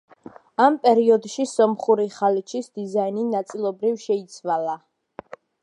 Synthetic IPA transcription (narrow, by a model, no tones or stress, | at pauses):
ampʼɛɾiɔd̪ʃisɔmχuɾiχalit͡ʃʰisd̪̥izaininat̪sʼilˠɔbɾivʃɛit̪sʰwala